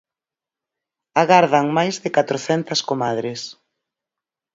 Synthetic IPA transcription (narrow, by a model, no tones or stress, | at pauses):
aɣaɾðaŋmajzðɪkat̪ɾoθɛnt̪ɐskomaðɾɪs